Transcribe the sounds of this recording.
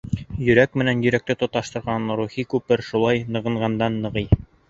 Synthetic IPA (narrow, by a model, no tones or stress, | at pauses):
jɵ̆ɾækmɘ̆nænjɵ̆ɾæk̚t̪ɘt̪ŏt̪ɑʃt̪ɤ̆ɾʁɑnɾuχikʉpɘɾʃulˠɑjnɤ̆ʁɤ̆ɴʁɑnd̪ɑnːɤ̆ʁɤj